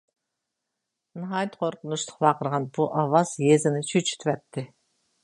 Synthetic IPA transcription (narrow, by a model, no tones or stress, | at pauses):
nɦɑjt̪qʰoɾqʊnuʃt̪ə̥q̚bɑqə̆ɾʁɑnbuʔɑvɑz̥jezɪnɪt͡ʃʰyt͡ʃy̥t̪ʰpæt̪ːɪ